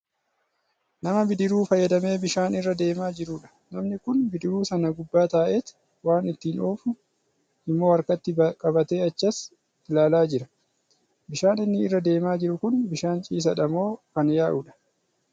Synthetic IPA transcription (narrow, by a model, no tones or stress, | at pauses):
nɐmɐbɪd̪ɪɾuːfɐjːɐd̪ɐme̞ːbɪʃaːnɪrːɐd̪e̞ːmaːd͡ʒɪɾʊᶑɐ̥ | nɐmnɪkʊnbɪd̪ɪɾuːsɐnɐɡʊbːaːt̪aːʔeːt̪ | waːnɪt̪ːiːnʔoːfʊ | ɪmːo̞ːɐɾkɐt̪ːɪkʼɐbɐt̪e̞ːɐt͡ʃːɐs | ɪlaːlaːd͡ʒɪɾɐ | bɪʃaːnɪnːɪːrːɐd̪e̞ːmaːd͡ʒɪɾʊkʊnbɪʃaːnt͡ʃʼiːs̬ɐᶑɐmo̞ːkɐnjaːʔʊᶑɐ̥